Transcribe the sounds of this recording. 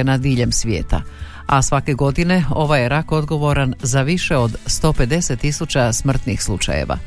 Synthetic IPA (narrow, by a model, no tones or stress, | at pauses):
enad̪iːʎemsʋjḛːt̪a̰ | asʋake̞ɡo̞d̪ine̞o̞ʋajeɾako̞d̪ɡo̞ʋo̞ɾanzaʋiʃe̞o̞d̪st̪o̞ːpe̞d̪e̞se̞t̪ːisut͡ɕasmr̩t̪nixslˠut͡ʃa̰jḛʋa̰